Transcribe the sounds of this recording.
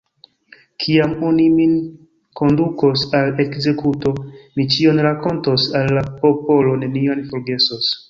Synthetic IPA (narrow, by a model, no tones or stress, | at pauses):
kʰiamonimin | ko̞nduko̞sale̞kze̞kuto̞mit͡ʃio̞nɾako̞nto̞salːapo̞po̞lo̞ne̞nionfo̞ɾɡe̞sos